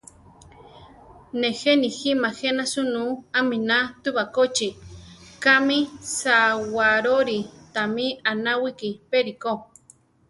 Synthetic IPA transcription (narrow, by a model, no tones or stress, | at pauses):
nexeniximaxenasunũamĩnat̪uβakot͡ʃikamĩsawaɾoɾit̪amĩanawikipeɾiko